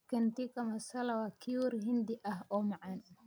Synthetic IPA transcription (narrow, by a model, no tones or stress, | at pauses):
kɐnt̪ikʰɐmɐsɐlɐwaːkʰiwɔrɦɪnd̪ɪʔɐhɔːmɑʕɑnʊ